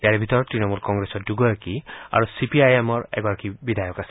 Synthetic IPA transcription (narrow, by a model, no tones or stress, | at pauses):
jaɹbʱit̪ɔɹɔtːɹinɔmulkɔŋɡɹesɔt̚duɡɔɹakia̰ɹusipiajemɔɹɛ̰ɡɔɹakibidʱajɔkasɛ